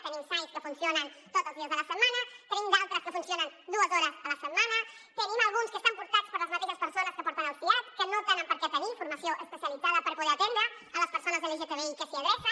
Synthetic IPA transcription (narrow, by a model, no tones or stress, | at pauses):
t̪ənimsajskəfunsjonənt̪ot̪əlˠzðiɐzðəlɐsəmanɐt̪ənimd̪alˠt̪ɾəskəfunsjonənd̪uəzoɾəəlɐsəmanɐt̪ənimalˠɣunskəst̪ampuɾt̪at͡spəɾləzmap̪iðəspəɾsonəskəpɔɾt̪analˠspiat͡skənot̪ɛnəmpəɾkɛt̪ənifuɾmɐsjoʔəspəsjalid̪d͡zaðəpəɾpuðɛɾat̪end̪ɾəː | ləspəɾsonɐzðəliʒet̪əβeikəsiaðɛsə